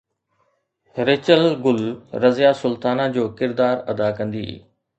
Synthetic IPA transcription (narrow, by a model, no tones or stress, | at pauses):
ɾet͡ɕəlɡʊlɾɐzjasʊlt̪aːnad͡ʑoːkɪɾd̪aːɾɐd̪akɐ̃nd̪ḭː